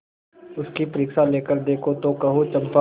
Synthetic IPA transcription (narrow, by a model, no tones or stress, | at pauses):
ʊskipɐɾɪːksaleːkəɾd̪eːkʰot̪okɐɦot͡ʃɐ̃mpa